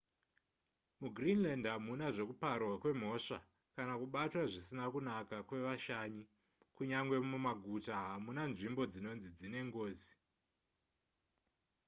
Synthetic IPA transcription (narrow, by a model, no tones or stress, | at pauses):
muɡrinlandɦamunaʐo̞kuparwakwe̞m̤o̞ʂa̰ | kanakuɓatwaʐisinakunakakwe̞ʋaʃaɲi | kuɲaŋɡwe̞mumaɡʱutaɦamunanʐimbo̞d͡zino̞nzid͡zine̞ŋɡo̞ːzi